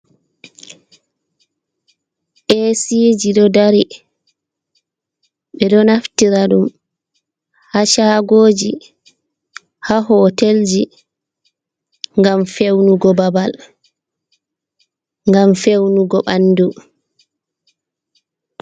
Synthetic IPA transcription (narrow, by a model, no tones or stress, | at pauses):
ʔesid͡ʒiɗɔdaɾi | ɓɛɗɔnaftiɾaɗum | haʃaːɡoːd͡ʒi | haɦɔːteld͡ʒi | ŋɡamfewnuɡɔbabal | ŋɡamfewnuɡɔɓanːdu